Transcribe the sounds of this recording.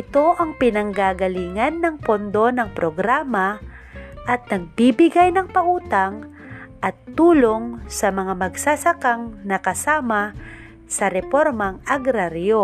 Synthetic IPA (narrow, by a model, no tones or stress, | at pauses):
ʔɪt̪o̞ʔɐŋpɪnɐŋɡaːɡɐliːŋɐnːɐŋpond̪o̞nɐŋpɾoɡɾaːma | ʔɐt̪̚nɐɡ̚biːbɪɡajnɐŋpɐʔuːt̪aŋ | ʔɐt̪ːuːloŋsɐmɐŋamɐɡsasakaŋnɐkɐsaːma | sɐɾɛpoɾmɐŋɐɡɾaɾjo